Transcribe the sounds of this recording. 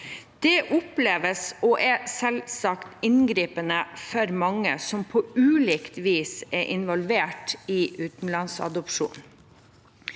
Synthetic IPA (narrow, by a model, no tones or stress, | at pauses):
d̪̥ɛʔʊpleːʋəsɔːʔɛsɛlsɑkt̪ɪnɡɾiːpənəfɔɾmɑŋːə̰sɔmpʰoːʉːliːkt̪ʋiːsɛʔɪnʋɔlʋeːʈɪːʔʉːt̪n̩lɑnsɑ̰d̪ɔpʃṵːn